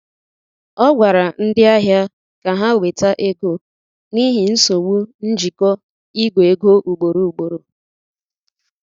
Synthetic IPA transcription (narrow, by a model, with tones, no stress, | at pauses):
ɔ˦ɡʷa˨ɾa˨n̩˦dɪ˦a˦ɦja˦ | ka˨ɦa˦we˨ta˦ʔe˦ɡo˦˨ | ni˦ɦɪ˨n̩˦so˨wu˦n̩˦d͡ʒi˨kɔ˦ | i˦ɡʷe˨ɡo˦ʔu˨ɡ͡bo˨ɾu˨u˨ɡ͡bo˨ɾo˨